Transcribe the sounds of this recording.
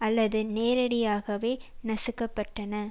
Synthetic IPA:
ɐlːɐðɯneːɾɐɽɪjaːɣɐʋeːnɐsɯkːɐpːɐʈːɐnɐ

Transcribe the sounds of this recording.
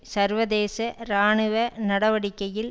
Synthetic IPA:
sɐɾʋɐðeːsɐɾaːɳɯʋɐnɐɽɐʋɐɽɪkːɐjɪl

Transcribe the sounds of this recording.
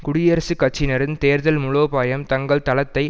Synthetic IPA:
kʊɽɪjɐɾɐsɯkɐt͡ʃːɪnɐɾɪnt̪eːɾðɐlmʊɻoːpaːjɐmt̪ɐŋɡɐɭt̪ɐlɐt̪ːɐɪ

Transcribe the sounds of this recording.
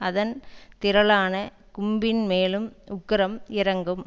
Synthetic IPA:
ɐðɐnt̪ɪɾɐlaːnɐ | kʊmbɪnmeːlɯmʊkːɪɾɐmɪɾɐŋɡɯm

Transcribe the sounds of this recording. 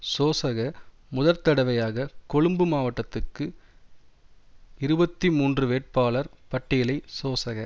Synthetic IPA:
soːsɐɣɐ | mʊðɐɾt̪ɐɽɐʋɐjaːɣɐkɔɻɯmbɯmaːʋɐʈːɐt̪ːɯkːɯ | ɪɾɯbɐt̪ːimuːndrɯʋeːʈ̚paːlɐɾpɐʈːɪjɪlɐɪsoːsɐɣɐ

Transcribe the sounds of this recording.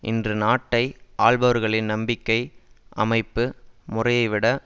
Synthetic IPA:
ʔɪ̰ndrɯnaːʈːɐɪʔaːɭbɐʋɐɾɣɐɭɪnnɐmbɪkːɐɪʔɐ̰mɐɪpːɯmʊrɐjɐɪʋɪɽɐ

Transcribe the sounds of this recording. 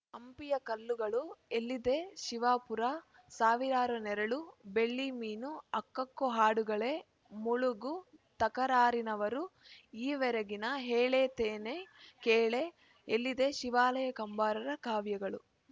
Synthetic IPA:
ɐmpijɐkɐlːuɡɐɭuelːid̪e̞ʃiʋaːpuɾa | saːʋiɾaːɾunɛɾɐɭube̞ɭːimiːnuɐkːɐkːuɦaːɽuɡɐɭe̞ | muɭuɡut̪ɐkɐɾaːɾinɐʋɐɾuiːʋɛɾɐɡinɐɦeːɭeːt̪eːnekeːɭe | elːid̪e̞ʃiʋaːlɐjɐkɐmbaːɾɐɾɐkaːʋjɐɡɐɭu

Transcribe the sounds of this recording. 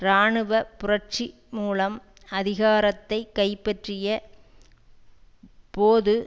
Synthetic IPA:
ɾaːɳɯʋɐpʊrɐt͡ʃi | muːlɐm | ɐðɪɣaːɾɐt̪ːɐɪkːɐɪpːɐʈrɪjɐ | poːðɯ

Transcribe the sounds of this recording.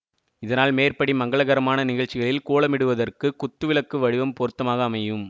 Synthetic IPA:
ɪðɐnaːlmeːrpɐɽimɐŋɡɐɭɐɣɐɾɐmaːnɐnɪɣɐɭt͡ʃːɪɣɐɭɪlkuːɭɐmɪɽɯʋɐðɐrkɯkːʊt̪ːɯʋɪɭɐkːɯʋɐɻɪʋɐmpɔɾɯt̪ːɐmaːɣɐːmɐjɯm

